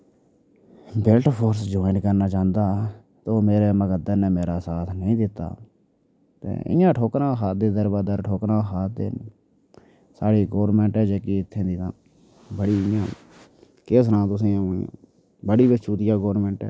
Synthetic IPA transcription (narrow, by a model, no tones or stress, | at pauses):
bɪlʈpʰoːɾsd͡ʒoːɪɳʈkəɾnaːt͡ʃãːnd̪aː | t̪oːmeːɾeːməɡəd̪əneːmeːɾaːsaːt̪ʰnəĩːd̪ɪt̪ːa̰ː | t̪ḛːɪ̰jãːʈʰoːkɾãːxaːt̪̚d̪eːd̪əɾbaːd̪əɾʈʰoːkɾãːxaːd̪ḛːn | saːɽiːɡoːɾnmɛ̃ːɳʈɛːd͡ʒeːkiɪt̪ʰːẽːd̪iːt̪ãː | bəɽiːɪjãː | keːs̬nãːt̪ʊs̬ẽːã̰ | bəɽiːbət͡ʃuːt̪ɪjaːɡoːɾmɛ̃ːɳʈɛ̰ː